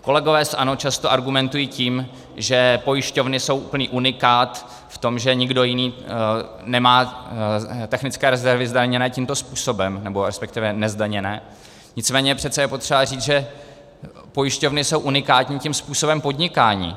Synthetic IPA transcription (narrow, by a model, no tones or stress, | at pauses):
ko̞lɛɡo̞vɛːsɛʔano̞t͡ʃast̪o̞ʔaɾɡumɛnt̪ujiːciːm | ʒɛpo̞jɪʃco̞vnɪso̞wʔupl̩niːʔunɪkaːt̪ | ft̪o̞mʒɛɲɪɡdo̞jɪniː | nɛmaː | t̪ɛxnɪt͡skɛːɾɛzɛɾvɪzdaɲɛnɛːcimt̪o̞spuːso̞bɛmnɛbo̞ɾɛspɛkt̪ɪvɛnɛzdaɲɛnɛː | ɲɪt͡smɛːɲɛjɛpr̝̥ɛt̪t͡sɛjɛpo̞t̪r̥ɛbariːd͡zʒɛ | po̞jɪʃco̞vnɪso̞wʔunɪkaːt̪ɲiːcimspuːso̞bɛmpo̞dɲɪkaːɲḭː